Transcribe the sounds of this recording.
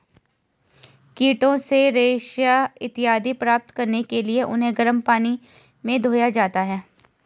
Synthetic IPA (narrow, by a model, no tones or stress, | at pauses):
kiːʈõseɾeːʃjaɪt̪ɪjɦaːd̪ipɾaːp̚t̪kɐɾnekelieʔʊ̰nɦẽɡɐɾəmpaːni | mẽd̪ʱoːjad͡ʒaːt̪aɦɛː